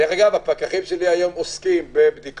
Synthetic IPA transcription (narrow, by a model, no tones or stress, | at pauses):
eʁaɡavapakaχimʃe̞liajo̞moskimbebd̪ik